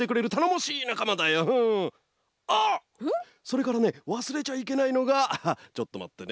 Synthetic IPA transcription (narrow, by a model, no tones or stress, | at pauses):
e̞kɯ̟ɾe̞ɾɯt̪ano̞mo̞ɕiːnakamad̪ajoɯ̃ | a | so̞ɾe̞kaɾane̞βasɨɾe̞t͡ɕaik̬e̞naino̞ɡat͡ɕo̞t̪ːo̞ma̰t̪ːe̞n